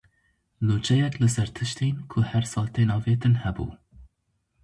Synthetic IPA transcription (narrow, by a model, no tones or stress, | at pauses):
nuːt͡ʃʰɛjɛklɨsɛɾt̪ʰɨʃt̪ʰeːnkʰʊhɛɾsɑːlt̪ʰeːnɑːveːt̪ɨnhɛbṵː